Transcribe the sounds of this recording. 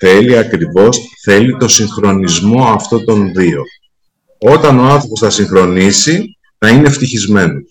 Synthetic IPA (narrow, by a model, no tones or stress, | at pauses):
θe̞liɐkɾivo̞sθe̞lit̪o̞siŋxɾo̞nizmo̞ɐft̪o̞t̪o̞nðio̞ | o̞t̪ɐno̞ɐnθɾo̞po̞sθɐsiŋxɾo̞nisi | nɐine̞ft̪içizme̞no